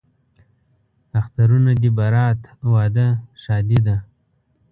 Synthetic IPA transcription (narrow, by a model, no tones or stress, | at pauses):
axt̪aɾunad̪ibaɾɑːt̪wɑːd̪əʃɑːd̪id̪a